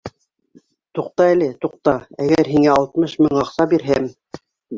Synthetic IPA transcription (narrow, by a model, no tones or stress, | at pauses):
t̪uq̚t̪ɑælɘt̪uq̚t̪ɑæɡæɾɦiŋæɑlˠt̪mɤʃmɤɴɑqsɑbiɾɦɘm